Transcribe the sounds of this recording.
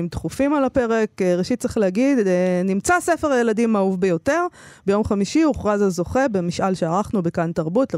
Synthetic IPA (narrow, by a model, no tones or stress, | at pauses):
mt̪χufimalape̞ʁekʁeʃit̚t͡seχleaɡid̪nimt͡sasefeʁajeladimaufbejo̞te̞ʁbe̞jo̞mχamiʃiuχʁazazo̞χe̞bemiʃʔalʃeaʁaχnubekantaʁbutle